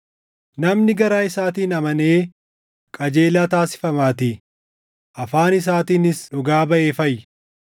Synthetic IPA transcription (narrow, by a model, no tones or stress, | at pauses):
nɐmnɪɡɐɾaːɪsaːt̪iːnɐmɐneː | kʼɐd͡ʒe̞ːlaːt̪aːsɪ̥fɐmaːt̪i | ʔɐfaːnɪs̬aːt̪iːnɪsᶑɔɡaːbɐʔe̞ːfɐj